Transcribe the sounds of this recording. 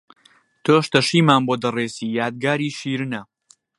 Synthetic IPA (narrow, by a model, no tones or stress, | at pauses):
t̪ʰoːʃt̪ɐʃiːmaːnboːd̪ɐreːsiːjaːd̪̚ɡaːɾiːʃiːɾɨnɐ